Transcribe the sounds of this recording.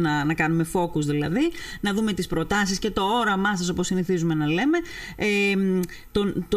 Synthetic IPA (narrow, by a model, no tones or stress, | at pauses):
nɐnɐkɐnume̞fo̞kuzðilɐðinɐðume̞t̪ispɾo̞t̪ɐsisce̞t̪o̞oɾɐmɐsɐso̞po̞siniθizume̞nɐle̞me̞em | t̪ont̪